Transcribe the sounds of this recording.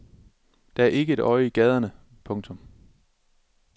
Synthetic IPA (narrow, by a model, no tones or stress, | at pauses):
d̥ææɐʔe̝ɡ̥əe̝d̥ɒ̽ɪiɡ̥ɛð̞ˠɐnə | pʰɔ̽ŋt͡sʰɔ̽m